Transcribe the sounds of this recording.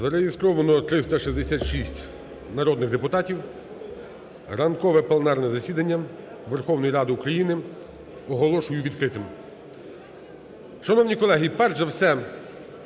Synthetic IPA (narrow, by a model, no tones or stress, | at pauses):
zɐɾeɦɪst̪ɾɔʋɐnɔt̪ɾɪst̪ɐʃizd̪esʲat̪ʃisʲtʲ | nɐɾɔd̪nɪɣd̪epʊt̪ɑtʲiw | rɐnkɔʋɛpɐlˠnɑrnɛzɐsʲid̪ɐnʲːɐ | ʋerxɔwnɔjiɾɑd̪ɪukɾɐjinɪ | ɔɦɔlˠɔʃʊjʊʋʲid̪kɾɪt̪ɪm | ʃɐnɔwnʲikɔlˠɛɦipɛrʒɐwsɛ